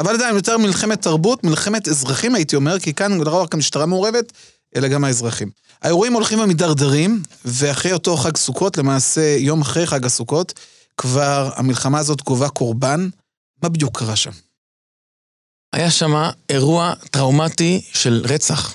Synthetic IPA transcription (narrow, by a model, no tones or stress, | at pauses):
avaladajimjot̪e̞ʁmilχe̞met̪ːaʁbutmilχe̞me̞te̞zʁaχimaitio̞me̞ʁkikanlooaχɡamiʃtaʁame̞oʁe̞ve̞t | ʔe̞laɡamae̞zʁaχim | a̰e̞ʁuimo̞lχimamidaʁdaʁimve̞aχʁejo̞to̞χaɡsukʰo̞tle̞maːse̞jo̞maχʁe̞jχaɡasuko̞t | kvaʁa̰milχamaːzo̞tɡovako̞ʁban | mabidjukʰːaʁaʃa̰m | a̰jaʃamaeʁuat̪ʁawmatiʃe̞lʁet͡saχ